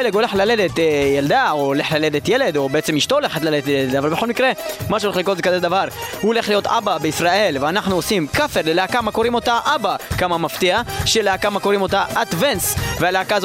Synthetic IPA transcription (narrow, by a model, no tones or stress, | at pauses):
eleɡole̞χlaled̪et̪jald̪aoːleχlaled̪et̪jele̞d̪obeet͡semiʃt̪ooleχet̪laled̪et̪jeeet̪avalbexo̞lmikʁemaʃeleχlikozekazed̪avaʁhuole̞χlijo̞t̪ʔa̰babeisʁaʔe̞lveanaχnuosimkafeʁleleakamako̞ʁimo̞t̪aʔabakamamaft̪iaʃeleakamakoʁimo̞t̪aʔad̪vensvealeakaz